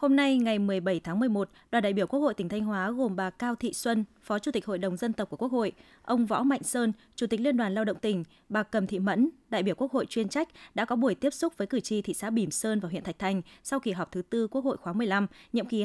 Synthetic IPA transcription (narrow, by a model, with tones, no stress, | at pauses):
ho˧mna˧jŋa˨˩jmɨ˨˩əjɓə˧˩jt̪ʰaː˨˦ŋmɨ˨˩əjmo˨˩t̚ɗwaː˨˩nɗa̰ː˧˨ji˧˩wku˦˥ək̚o˧˨jt̪ŋ̟t̪ʰa˧ŋ̟ɦwaː˨˦ɣo˨˩mɓaː˨˩kaː˧wt̪ʰḭ˧˨swə˧nfɔ˨˦t͡ɕu˧˩t̪i˨˩k̟ho̰˧˨jɗə˨˩wŋ͡mzə˧nt̪p̚ku˧˩əku˦˥ək̚ho̰˧˨j | ʔə˧wŋ͡mvɔ̰˧˥ma̰˧˨jŋ̟səː˧nt͡ɕu˧˩t̪i˨˩k̚li˧ənɗwaː˨˩nlaː˧wɗə̰˧˨wŋ͡mt̪ï˧˩ŋ̟ | ɓaː˨˩kə˨˩mt̪ʰḭ˧˨mə̰˧˥nɗa̰ː˧˨jɓi˧˩əku˦˥ək̚ho̰˧˨jt͡ɕwi˧ənt͡ɕa˦˥jk̟̚ɗa̰ː˧˥kɔ˨˦ɓu˧˩əjt̪i˦˥əp̚sʊ˦˥k͡p̚vəː˨˦jkɨ˧˩t͡ɕi˧˩t̪ʰḭ˧˨sa̰ː˧˥ɓi˧˩msəː˧nva˨˩wḭ˧˨nt̪ʰk̚t̪ʰa˨˩jŋ̟sa˧wki˧˩ɦɔ˨˩wk͡p̚t̪ʰɨ˨˦t̪ɨ˧ku˦˥ək̚ho̰˧˨jxwaː˨˦mɨ˨˩əjla˧mɲḭ˧əmki˨˦